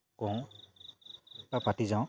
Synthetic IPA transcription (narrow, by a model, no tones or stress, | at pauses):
kɔ̃w | papatizãw̃